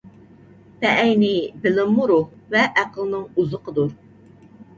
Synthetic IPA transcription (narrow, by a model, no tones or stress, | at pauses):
pɛʔːjnɪbɪlɪmːuɾuhvɛʔæqəlˠnɨŋuzəqəd̪uɾ